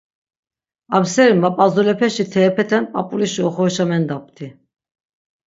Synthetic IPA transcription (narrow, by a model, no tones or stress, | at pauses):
absɛɾinvapʼazulɛpʰɛʃit̪ʰɛːpʰɛt̪ʰɛnpʼapʼuliʃiɔχɔʃamɛnd̪ap̚t̪ʰi